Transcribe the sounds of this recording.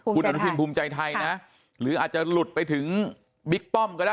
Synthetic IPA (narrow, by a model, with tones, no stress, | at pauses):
ku˧na˧n˦˥tʰiː˧npʰuː˧mt͡ɕa˧jt̪ʰa˧jna˦˥ | ɾɯː˩˦ʔaː˨˩t͡ɕa˨˩lu˨˩t̪̚pa˧jt̪ʰɯ˩˦ŋ | bi˦˥k̚p̪ɔ˥˩mkɔː˧˩daː˥˩